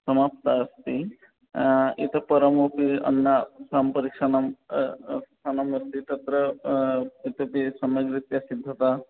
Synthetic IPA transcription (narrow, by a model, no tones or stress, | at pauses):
sɐmapt̪aːst̪i | ḭt̪ɐpɐɾɐmopiɐ̰nːasampɐɾikʃɐnɐm | sanɐmɐst̪it̪ɐt̪ɾɐ | it̪opisɐmɐɡɾit̪jasid̪ʱːɐt̪a